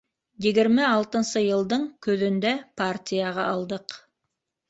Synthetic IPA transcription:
jɘ̆ɡɘ̆ɾmɘɑlˠt̪ɤ̆nsɤjɤ̆lˠd̪ɤɴkɵ̆ðɵ̆nd̪æpartʲijaʁɑʔɑlˠd̪ɤq

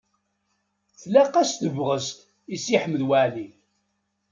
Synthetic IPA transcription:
θlæqæsθəvʁəst̪ | isiħəmːəðwəʕði

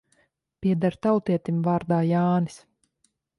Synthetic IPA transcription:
piɛd̪aɾt̪awt̪iɛt̪imvaːɾd̪aːjaːnis

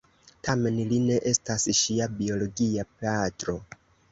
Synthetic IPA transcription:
tame̞nline̞ʔe̞stasʃiabio̞lo̞ɡiapeatɾo̞

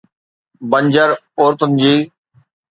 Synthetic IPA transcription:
bə̃ɲd͡ʑəɾoːɾt̪ənɪ̆d͡ʑiː

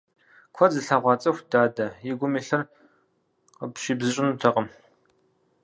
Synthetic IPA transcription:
kʷʰɔzɨɬɐʁʷɑːt͡sʼɐxʷdaːdɐjɪɡʷʊmiːɬɐr | qəpɕiːbzɨɕʼɪnutʰɐqəm

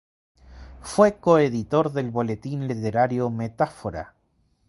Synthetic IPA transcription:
fwekoeðit̪o̞ɾðe̞lβo̞let̪inlit̪eɾaɾjomet̪afoɾa̰

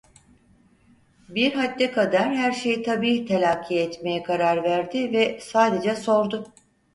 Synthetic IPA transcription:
biɾɦat̪ːɛkʰad̪aɾhæɾʃejit̪ʰabiːt̪ʰelʲaːkʰːiɛt̪me̞jɛkʰaɾaɾvæɾd̪ɪvɛsaːd̪e̞d͡ʒɛso̞ɾd̪ʊ

